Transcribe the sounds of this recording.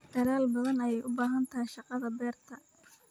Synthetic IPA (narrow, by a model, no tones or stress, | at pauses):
d̪̥ɐðaːlbɐðɐnɐjɛjʔʊbaːɦɐnt̪ʰɐɦjʃɑqɑðɐbɛːrt̪ʰɐ